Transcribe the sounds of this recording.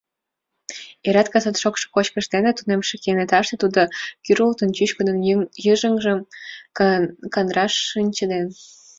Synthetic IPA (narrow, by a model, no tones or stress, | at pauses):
eɾɑt̪kɑsɑt̪ʃokʃo̥kot͡ɕkə̆ʃt̪enet̪unemʃĕkenet̪ɑʃt̪et̪ud̪okyɾult̪ənt͡ɕyɕkəd̪ə̆njəʒə̆ŋʒəm | kɑnrɑʃənʲt͡ɕə̆d̪en